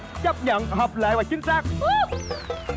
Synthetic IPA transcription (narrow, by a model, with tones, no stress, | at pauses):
t͡ɕə˦˥p̚ɲə̰˧˨nɦɔː˨˩p̚lḛ˧˨vaː˨˩t͡ɕï˨˦ŋ̟saː˦˥k̚